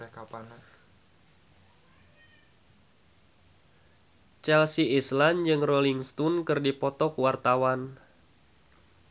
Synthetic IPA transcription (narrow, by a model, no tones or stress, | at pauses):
ka | t͡ʃalsiisland͡ʒɨŋroliŋst̪unkɨrdipɔt̪ɔkwart̪awan